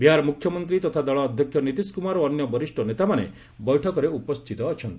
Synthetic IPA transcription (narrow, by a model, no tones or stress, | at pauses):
biɦaɾɔmukʰjɔmɔnt̪ɾit̪ɔt̪ʰad̪ɔɭɔːd̪ʱjɔkʰjɔnit̪iskumaɾɔːnjɔbɔɾisʈʰɔnet̪amanḛ | bɔjʈʰɔkɔɾeupɔst̪ʰit̪ɔːt͡ʃʰɔnt̪i